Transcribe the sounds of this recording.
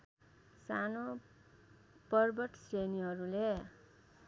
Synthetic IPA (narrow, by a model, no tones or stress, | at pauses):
sano | pʌrbʌʈseniɦʌɾule